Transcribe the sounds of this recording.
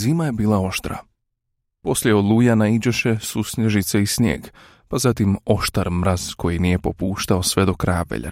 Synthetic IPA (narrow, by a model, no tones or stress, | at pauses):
ziːmaje̞biːlao̞ʃt̪ɾa̰ | po̞sljeolˠujanaid͡ʑeʃe̞susɲeʒit̪seisɲḛːɡ | pazat̪imo̞ʃt̪aɾmɾaz̥kʰo̞jinije̞po̞̰puːʃt̪ao̞sʋe̞d̪o̞kɾajaʋḛʎa̰